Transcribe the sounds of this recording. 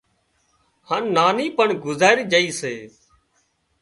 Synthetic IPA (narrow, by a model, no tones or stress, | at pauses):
haːnːaːniːpəɳɡʊzaːɾiːd͡ʒəiːseː